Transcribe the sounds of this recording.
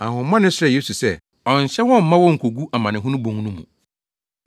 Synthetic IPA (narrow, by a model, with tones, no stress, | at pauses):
ã˨hʊ̃˨˦mã˦nɪ̃˦sɾɛ˨je˦su˨sɛ˦˨ | ɔ̃˨ɲ˨ɕɛ˦wɔ̃˦m̩˦mã˦wɔ˦ŋ̩˨kʰo˨ɡu˦a˨mã˨nɪ̃˨ɦʊ̃˦nʊ̃˦bõ˨ŋ˦nũ˦mṵ̃˨